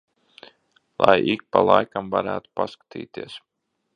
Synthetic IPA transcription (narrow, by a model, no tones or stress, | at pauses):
lˠajik̚palˠajkamvaɾæːt̪u̥paskḁt̪ḭːt̪iɛs